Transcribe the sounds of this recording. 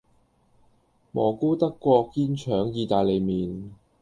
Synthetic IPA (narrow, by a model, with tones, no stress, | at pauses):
mɔː˨˩kuː˥t̪ɐ˥kːʷɔː˧kːiː˥nt͡ʃʰœː˨˥ŋjiː˧t̪aː˨jle˨˧jmiː˨n